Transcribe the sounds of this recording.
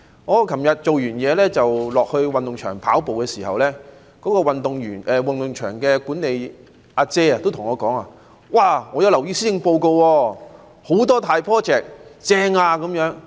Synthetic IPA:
ŋɔː˨˧kʰɐ˨˩mjɐ˨t̚t͡ʃo˨wjyː˨˩njɛː˨˧lɛː˥t͡sɐ˨wlɔː˨k̚hɵ˧ɥwɐ˨nt̪ʊ˨ŋt͡ʃʰœ̰ː˨˩ŋpʰa̰ː˨˥wpo˨wkɛː˧siː˨˩hɐ̰˨wlɛː˥ | kɔː˨˥kɔː˧wɐ˨nt̪ʊ˨ŋjyː˨˩nʔɛː˨wɐ˨nt̪ʊ˨ŋt͡ʃʰœ̰ː˨˩ŋkɛː˧kuː˨˥ne˨˧j | ʔaː˧t͡sɛː˥ɐ˨t̪o˥wt̪ʰʊ˨˩ŋɔː˨˧kɔː˨˥ŋaː˧ | waː˧˩ŋɔ˨˧jɐ˧wlɐ˨˩wjiː˧˥siː˥ɪ˧ŋpo˧wko˧wwɔː˧ | ho˨˥wt̪̬ɔː˥t̪ʰaː˧jpʰɔː˥t͡sɛː˨˩k̚t͡sɛː˧ŋaː˧kɐ˨˥mjœː˨˥ŋ

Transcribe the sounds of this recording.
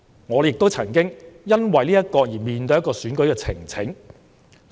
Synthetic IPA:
ŋɔː˨˧jɪ˨k̚t̪o˥wt͡sʰɐ˨˩nkɪ˥ŋjɐ˥nwɐ˨jliː˥ɐ˥t̚kɔː˧jiː˨˩miː˨nt̪ɵ˧jɐ˥kɔː˧syː˨˥nkɵ˨˥ɥkɛː˧t͡sʰɪ̰˨˩ŋt͡sʰɪ˨˥ŋ

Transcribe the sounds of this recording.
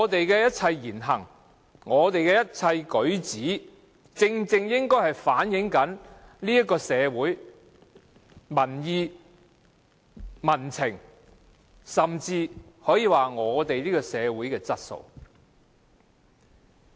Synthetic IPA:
ŋɔː˨˧t̪e˨jkɛː˧jɐ˥t̚t͡sʰɐ˧jjiː˨˩nɦɐ˨˩ŋ | ŋɔː˨˧t̪e˨jkɛː˧jɐ˥t̚t͡sʰɐ˧jkɵ˨˥ɥt͡siː˨˥ | t͡sɪ˧ŋt͡sɪ˧ŋjɪ˥ŋkɔː˥jhɐ˨jfaː˨˥njɪ˨˧˥ŋkɐ˨˥nliː˥jɐ˥t̚kɔː˧sɛː˨˧wuː˨˥j | mɐ˨˩njiː˨˧ | mɐ˨˩nt͡sʰɪ˨˩ŋ | sɐ˨mt͡siː˧hɔː˨˥jiː˨˧waː˨ŋɔː˨˧t̪e˨jliː˥kɔː˧sɛː˨˧wuː˨˥jkɛː˧t͡sɐ˥t̚so̰˨˧w

